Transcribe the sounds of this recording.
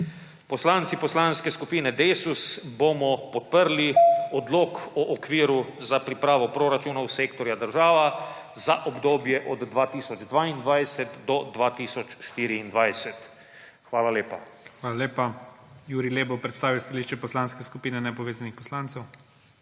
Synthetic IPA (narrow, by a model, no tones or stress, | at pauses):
pɔslant̪sipɔslanskɛskupiːnɛd̪eːsusbomɔpɔt̪̚pəɾliɔd̪loːkɔʔːkʋiːɾuzapɾipɾaːʋɔpɾoːɾat͡ʃuːnɔwseːkt̪ɔɾjad̪əɾʒaːʋa | zaʔɔbd̪oːbjɛʔɔd̪ːʋaːt̪iːsɔd͡ʒd̪ʋaind̪ʋajsɛt̪d̪ɔd̪ʋaːt̪isɔt͡ʃʃt̪iːɾiːnd̪ʋajsɛt̪ | xʋaːlaleːpa̰xʋaːlaleːpajuːɾileːbɔwpɾɛt̪st̪aːʋiwst̪aliʃt͡ʃɛpɔslaːnskɛskupiːnɛnɛpɔʋeːzanixpɔslant̪sɛw